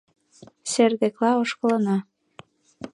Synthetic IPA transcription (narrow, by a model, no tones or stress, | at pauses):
serd̪eklɑoʃkɤ̆lɤ̆nɑ